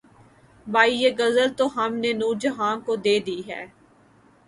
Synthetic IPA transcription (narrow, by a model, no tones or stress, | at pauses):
bʱaːijeːɡɐzəlt̪oɦɐmnenuːɾd͡ʒəɦaːnkod̪eːd̪iːɦɛ̰ː